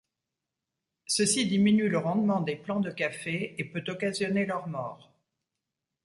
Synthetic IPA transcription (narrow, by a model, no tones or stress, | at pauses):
səsid̪iminyləʁɑ̃d̪mɑ̃d̪eplɑ̃d̪əkafeepøt̪ɔkazjɔnelœʁmɔːʁ